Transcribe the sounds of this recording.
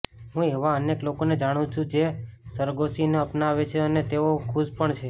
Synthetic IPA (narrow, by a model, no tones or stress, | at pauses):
ɦũeʋaəneklokoned͡ʒaɽ̃ũt͡ʃʰũd͡ʒesəɾɡosineəpnaʋet͡ʃʰeənet̪eokʰuʃpəɳt͡ʃʰe